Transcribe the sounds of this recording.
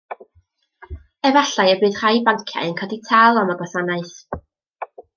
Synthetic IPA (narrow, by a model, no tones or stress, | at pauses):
ɛvaɬaɨəbɨːð̥r̥ajbaŋkʰja̰ənkʰɔditʰalˠɔməɡɔsanaɨθ